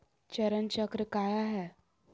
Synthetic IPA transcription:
t͡ɕəɾənt͡ɕəkɾəkajaɦɛ

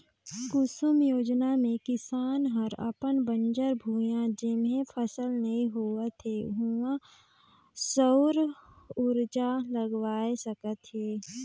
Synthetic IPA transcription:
kʊsʊmjoːd͡ʒnamẽkɪsaːnɦəɾə̰pənbə̃nd͡ʒəɾbʱuːjãd͡ʒɪmẽpʰəsəlnɐɦĩɦoət̪ɦeɦuã | səʊɾʊɾd͡ʒaləɡʋaːesəkət̪ɦeː

